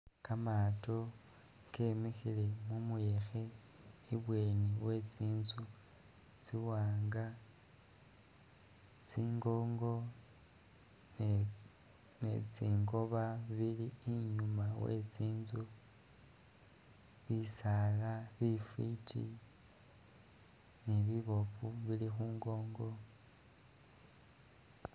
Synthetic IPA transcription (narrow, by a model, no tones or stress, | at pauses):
kamaːto̞ | kemexile̞mumuje̞xe̞ | iβwe̞ːniwe̞t͡siːnzu | t͡siwaːŋɡa | t͡siːŋɡo̞ːŋɡo̞ | nḛt͡siːŋɡo̞βaβiliːɲumawḛt͡siːnzu | βisalaβifwitʰḭ | niβiβo̞fuβilixuːŋɡo̞ːŋɡo̞